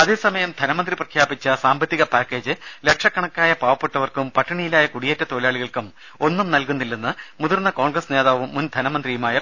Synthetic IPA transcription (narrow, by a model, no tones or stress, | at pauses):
ɐðe̞ːsɐmɐjɐmd̪ʱɐnɐmɐnd̪riprɐkʰjaːbit͡ɕːɐsaːmbɐt̪ːiɣɐpaːkːe̞ːd͡ʑɨlekʂɐkːɐɳɐkːaːjɐpaːʋɐpːeʈːɐʋɐrkumpɐʈːɐɳijilaːjɐkuɽijetːɐt̪oːlaːɭiɣɐɭkum | o̞nːumnɐlkunːilːunːɐmuðurnɐko̞ːɳɡrɐsneːðaːʋumːund̪ʱɐnɐmɐnd̪rijumaːjɐ